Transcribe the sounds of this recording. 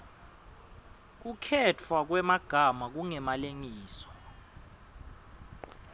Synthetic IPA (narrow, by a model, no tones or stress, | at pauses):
k̬ukʰɛt͡fʰwak̬wɛmaɡ̥ʱamak̬uŋɛmaleŋiːsɔ̥